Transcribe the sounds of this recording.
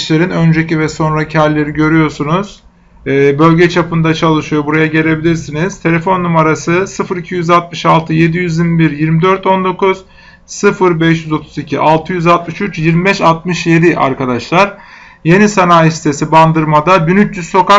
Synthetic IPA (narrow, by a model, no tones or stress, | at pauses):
ʃlʲe̞ɾinø̞nd͡ʒecivɛso̞nɾacʰælʲːe̞ɾiɟø̞ɾyjo̞ɾsunuz̥ | ɛːbø̞lʲɟɛt͡ʃʰapʰɯnd̪at͡ʃʰalˠɯʃɯjo̞buɾajaɟe̞lʲe̞bilʲiɾsiniz̥t̪ʰe̞lʲefo̞nːumaɾasɯsɯfɯɾicʰijyzalt̪̚mɯʃalˠt̪ʰɯje̞d̪ijyzilmibiɾjiɾmid̪ø̞ɾt̪ʰo̞nd̪o̞kuz̥ | sɯfɯɾbɛʃjyzo̞t̪ʰuzicʰiʔalˠt̪ʰɯjyzalˠt̪mɯʃyt͡ʃjiɾmibɛʃalˠt̪̚mɯʃje̞d̪iʔa̰ɾkad̪aʃlˠaɾ̥ | je̞nisanaːjisi̥t̪ʰe̞siband̪ɯɾmad̪abinyt͡ʃjyzso̞ka